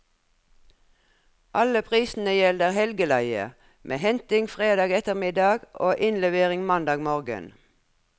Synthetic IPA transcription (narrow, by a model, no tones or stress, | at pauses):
ʔɑləpʰʁiːsn̩əjɛləʁhɛlɡəlæɪə̰ | mʔḛːhɛnt̪ɪŋfʁeːd̪ɑːɡɛt̪əʁmɪd̪ɑːɡʔoːʔɪnlɛʋeːʁɪŋmɑnd̪ɑːɡmoːʁɡə̰n